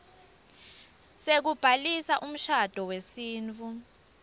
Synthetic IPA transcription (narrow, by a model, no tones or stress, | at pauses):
sek̬ub̥ʱalisaʔum̩ʃad̥ʱɔwesiːnt͡fʰʼu